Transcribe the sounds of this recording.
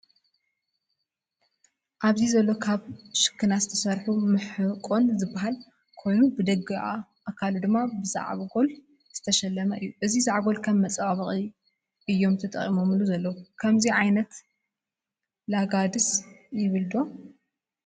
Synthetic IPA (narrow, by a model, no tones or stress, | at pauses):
ʔaβzizɐlːo̞kʰaβʃɨ̥kʰːɨnazɨt̪ʰɐsɐɾħumɨħɨkʼo̞nzɨbːaɦal | kʰo̞jnubɨd̪ɐɡɨʔa̰ʔːkʰːalud̪ɨmːabɨza̰ʕβɡo̞l | z̥ɨt̪ʰɐʃɐlːɐmɐʔɨjːuʔɨzizaʕɡo̞lkʰɐmːɐt͡sʼɐβaβɨχʼi | ʔɨjːo̞mt̪ʰɐt̪ʼɐ̰χʼimo̞mluzɐlːɐwukʰɐmziʕajnɐt̪ | laɡad̪ɨsjɪβɨld̪o̞